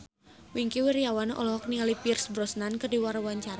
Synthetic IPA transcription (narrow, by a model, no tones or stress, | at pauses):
wiŋkiwiɾjawanʔɔlɔɦɔk̚nialipirsbɾɔsnankərdiwaɾawaɲt͡ʃaɾ